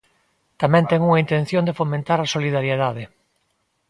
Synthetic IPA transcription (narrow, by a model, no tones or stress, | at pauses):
t̪amɛ̃nt̪ɛŋuŋaint̪en̟θjõnd̪efomẽnt̪aɾasoliðaɾjeðaðɪ